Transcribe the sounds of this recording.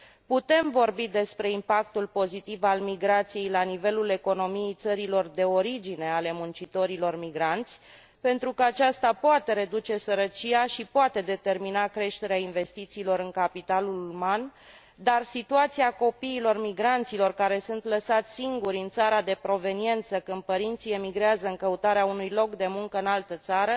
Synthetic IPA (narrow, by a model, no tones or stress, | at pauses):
put̪e̞mvo̞rbid̪e̞spɾe̞impak̚t̪ulpo̞zit̪ivalmiɡɾat̪sije̞jlanive̞lule̞ko̞no̞mije̞jt̪səɾilo̞rd̪e̞o̞ɾid͡ʒine̞ale̞munt͡ʃit̪o̞ɾilo̞rmiɡɾant̪sʲ | pe̞nt̪ɾukəat͡ʃast̪apoat̪e̞ɾe̞d̪ut͡ʃe̞səɾət͡ʃijaʃipoat̪e̞d̪e̞t̪e̞rminakɾe̞ʃt̪e̞ɾeainve̞st̪it̪siːlo̞ɾɨŋkapit̪aluluman | d̪arsit̪uat̪siako̞piːlo̞rmiɡɾant̪silo̞rkaɾe̞sunt̪ləsat̪sʲsiŋɡuɾʲɨnt̪saɾad̪e̞pɾo̞ve̞nie̞nt̪səkɨnd̪̚pəɾint̪sie̞miɡɾeazəɨŋkəut̪aɾeaunujlo̞kd̪e̞muŋkəɨnalt̪ət̪saɾə